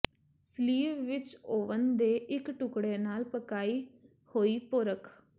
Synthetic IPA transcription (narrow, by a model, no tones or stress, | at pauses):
sliːʋʋɪt͡ʃoːʋənd̪eːʔɪkʈʊkɽeːnaːlpəkaːiː | hoːiːpʊɾəkʰ